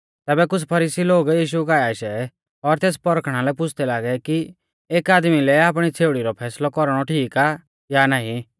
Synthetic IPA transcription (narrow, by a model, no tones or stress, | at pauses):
t̪ɛːbɛkʊt͡sʰpʰɐɾiːsiloːɡjiːʃ̬ukaaːiʃɛ | ɔɾt̪eːs̬pɔɾkʰɽ̃alɛpʊt͡sʰd̪ɛlaːɡɛki | eːkaːd̪milɛaːp̬ɽ̃it͡sʰeːɽiɾɔpʰɛːslɔkɔɾɽ̃ɔʈʰiːka | janaːĩ